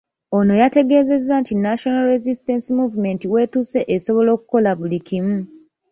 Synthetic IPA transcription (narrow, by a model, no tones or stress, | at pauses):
o̞no̞jate̞ɡe̞ːze̞zːantinaʃo̞nalɾe̞zistensimuːvume̞ntiwe̞ːtuse̞ʔeso̞βo̞lo̞ːku̥ko̞laβulikimu